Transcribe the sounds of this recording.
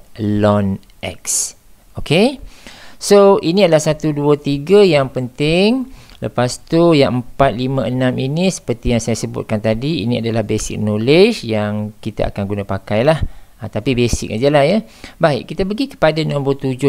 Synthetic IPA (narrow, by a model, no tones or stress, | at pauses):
lɔn | ʔɛ̰ks | okʰe | soʔinĩadalahsat̪uduət̪iɡəjaŋpənt̪ɪŋləpast̪ujaŋʔəmpat̪̚limə̃ənãminisə̥pərt̪ijaŋsajasəbʊ̰t̪̚kant̪adiḭnĩadalahbesɪ̰k̚noləd͡ʒjaŋkit̪aʔa̰kanɡunapakajlahət̪apibesɪ̰k̚ad͡ʒəlahjə | bajkit̪əpəɡikə̥padanɔ̃mpʊlt̪ud͡ʒʊ